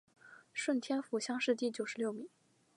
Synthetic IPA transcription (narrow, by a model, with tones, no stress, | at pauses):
ʂwə˥˩nt̪ʰjɛ˥nfu˧˥ɕjɑ˥ŋʂɻ̩˥˧t̪i˥˩t͡ɕjo˨˩ʊʂɻ̩˧˥ljo˥˩ʊmi˨˩˦